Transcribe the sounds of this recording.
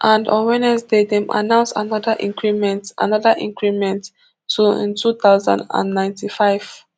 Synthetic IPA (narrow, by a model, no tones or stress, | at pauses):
ʔãndɔ̰̃nwɛnɛsdedɛ̃mʔa̰nãʊ̃nsa̰nɔdaʔĩŋkɹimɛ̃ntʔa̰nɔdaʔĩŋkɹimɛ̃ntʰː | uḭ̃ntʰut̪aʊzã̰ndã̰nːãɪ̃ntifaɪv̥